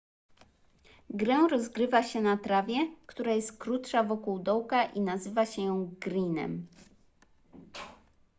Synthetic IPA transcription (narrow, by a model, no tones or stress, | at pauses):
ɡɾɛwɾɔzɡɾɘvaɕɛnat̪ɾavʲjɛkt̪uɾajɛst̪̚kɾut̪ʂavɔkuwd̪ɔwkaʔinazɘvaɕɛjɔ̃w̃ɡɾinɛ̰m